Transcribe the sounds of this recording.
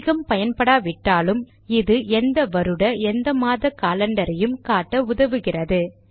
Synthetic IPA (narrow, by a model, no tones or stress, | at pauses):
ɣɐmpɐjɐnpɐɽaːʋɪʈːaːlɯm | ɪðɯɛnd̪ɐʋɐɾɯɽɐɛnd̪ɐmaːðɐkaːlɐɳɖɐɾɐjɯmkaːʈːɐʊðɐʋɯɣɪrɐðɯ